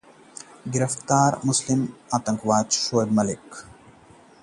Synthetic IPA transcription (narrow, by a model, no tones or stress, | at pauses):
ɡiɾɐft̪aːɾmuslimat̪ɐŋkʋaːt͡ʃʃoːjd̪mɐlik